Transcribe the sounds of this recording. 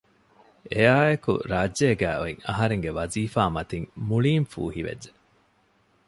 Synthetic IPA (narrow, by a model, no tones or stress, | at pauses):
ejaːekṵɾaːd͡ʒːeːɡæːʔoiŋɐ̰ɦɐɾeŋɡeʋɐziːfaːmɐt̪iŋmuɭiːmfṵːhiʋḛdːe